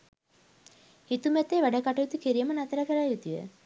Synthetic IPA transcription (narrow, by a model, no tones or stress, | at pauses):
hit̪umæt̪eːʋæɖəkaʈəjut̪ukiɾijəmənat̪əɾəkeɾajut̪ujə̰